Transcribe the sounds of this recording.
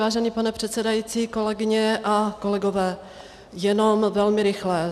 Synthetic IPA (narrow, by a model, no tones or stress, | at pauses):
aːʒɛniːpanɛpr̝̥ɛt̪t͡sɛdajiːt͡siːko̞lɛɡɪɲɛʔako̞lɛɡo̞vɛː | jɛno̞mvɛlmɪɾɪxlɛ